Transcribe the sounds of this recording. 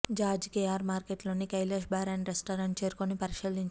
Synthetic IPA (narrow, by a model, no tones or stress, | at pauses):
d͡ʒaːd͡ʒkejaːɾmaːɾkeʈloːnikɐjleːʃbʱaːɾɐɳʈɾesʈoːɾɐɳʈ̚t͡ʃe̞ːɾukonipɐɾiʃiliɲt͡ʃ